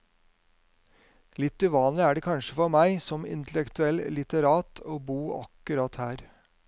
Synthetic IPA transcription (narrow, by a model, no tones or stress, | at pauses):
lɪt̪ːʉːʋɑːnlɪæːɖeːkʰɑnʃəfɔmæɪsɔmɪ̰nt̪ʰlɛkt̪ʉɛllɪt̪əɾɑːt̪ʰoːbuːʔɑ̰kʉɾɑt̪hæːɾ